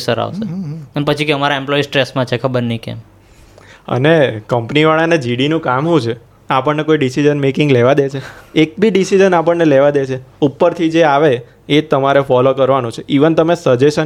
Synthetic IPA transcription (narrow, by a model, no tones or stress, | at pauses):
səɾa̰ʋseənepət͡ʃʰikeəmaɾaemplɔisʈɾesmãt͡ʃʰekʰəbəɾnikḛm | ə̰nekəmpniʋaɭaned͡ʒiɽinũkamɦũt͡ʃʰe | apəɳnekoiɖisid͡ʒənmekɪ̃ŋɡleʋad̪et͡ʃʰeek̚bʱiɖisid͡ʒənap̬əɳneleʋad̪et͡ʃʰeupːəɾt̪ʰid͡ʒeaʋeː | t̪əmaɾefɔlokəɾʋanũt͡ʃʰeʔiʋənt̪əmesəd͡ʒeʃə